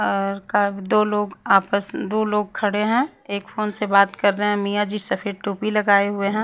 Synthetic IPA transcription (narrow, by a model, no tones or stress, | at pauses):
ɔːɾkaːd̪oːloːɡaːpəsd̪oːloːɡ̚kʰɐɽeɦɛ̃ | eːkfoːnsebaːt̪kɐɾːəeɦɛ̃mijad͡ʒisɐpʰɪɾʈuːpilɐɡaːeɦʊeɦɛ̃ː